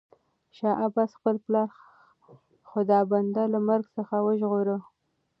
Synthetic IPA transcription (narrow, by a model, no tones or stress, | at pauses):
ʃɑʔabɑsxpəlplɑɾ | xʊd̪ɑband̪alamaɾɡsəxawəʒɣoɾə